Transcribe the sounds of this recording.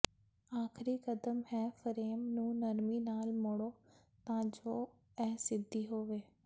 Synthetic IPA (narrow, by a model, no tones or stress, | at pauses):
aːkʰɾiːkəd̪əmɦɛːfʰəɾeːmnũːnəɾmiːnaːlmʊɽoː | t̪ãːd͡ʒoː | ɛːsɪd̪ʱːiːɦoːʋeː